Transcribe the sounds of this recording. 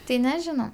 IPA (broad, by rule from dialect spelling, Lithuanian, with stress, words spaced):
ˈtɐɪ nʲɛˈʒʲɪnoː